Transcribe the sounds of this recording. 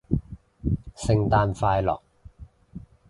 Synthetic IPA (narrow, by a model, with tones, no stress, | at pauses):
sɪ˧ŋt̪aː˧nfaː˧jlɔ̰ː˨k̚